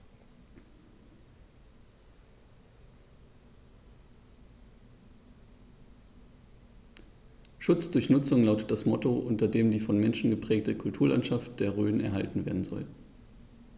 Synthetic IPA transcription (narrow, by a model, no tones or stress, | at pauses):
ʃʊt͡sd̥ʊɐçnʊt͡sʊŋlaʊtət̚d̥asmɔtoʔʊntɐdeːmdiːfɔnmɛnʃn̩ɡəpʁ̥ɛːk̚təkʰʊltʰuːɐla̰ntʃaftd̥eːɐʁøːnɛ̰ɐɦa̰ltn̩veːɐdn̩zɔ̰l